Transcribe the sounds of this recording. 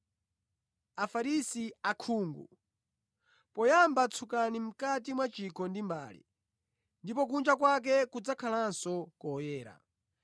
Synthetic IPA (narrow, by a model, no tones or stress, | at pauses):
afaɾisiakʰuːŋɡṵ | pɔjambat͡sʰukanim̩katimwat͡ʃikɔndimba̰ːlḭ | ndipɔk̬und͡ʒakwak̬ɛkud͡zakʰalansɔkɔjɛːɾa̰